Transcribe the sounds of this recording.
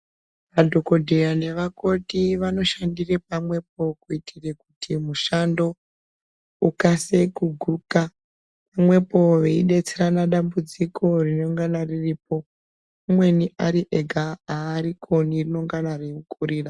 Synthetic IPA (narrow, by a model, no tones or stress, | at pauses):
ʋadʱo̞ko̞dʱejane̞ʋako̞tiʋano̞ʃandirepamwe̞p̚o̞kuitʰire̞kutʰimuʃando̞ | ukase̞kuɡʱuka | pamwe̞po̞ʋeiɗe̞t͡seɾanaɗambud͡zikʰo̞rino̞ŋɡanaririːpo̞ | umwe̞niʔaɾiʔeɡʱaaːɾikʰo̞nirino̞ŋɡanariukʰʼuɾiːra